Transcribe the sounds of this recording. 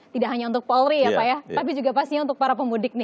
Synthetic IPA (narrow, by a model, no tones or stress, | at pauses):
t̪idaʔɦaɲaunt̪ʊk̚pɔlɾiapajat̪ap̬id͡ʒuɡapast̪iɲaunt̪ʊk̚paɾapəmbudɪk̚nɪ